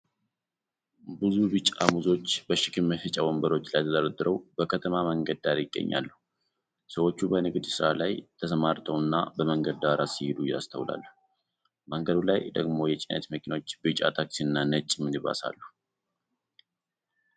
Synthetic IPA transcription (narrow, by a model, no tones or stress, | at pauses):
bɨzubɨt͡ʃʼamuzo̞t͡ʃːbəʃɪkʰɨmhɨt͡ʃʼawombəɾo̞t͡ʃːlajt̪ʰəd̪əɾəd̪ɨɾəwb̥əkʰət̪ʰəmaməŋɡəd̪ːaɾjɪɡːə̰ɲːa̰lːu | səwo̞t͡ʃːubənɨɡd̪sɨɾalajt̪ʰəsəmaɾt̪ʰəwnːabəməŋɡəd̪d̪aɾasihɪd̪ujast̪ʰəwla̰lːu | məŋɡəd̪ulajd̪əɡmo̞jɛt͡ʃʼɪnə̰t̪məkʰino̞t͡ʃːbɨt͡ʃʼa̰t̪ʰaksiɨnːanət͡ʃʼːɪmːɨnɨβa̰sa̰lːu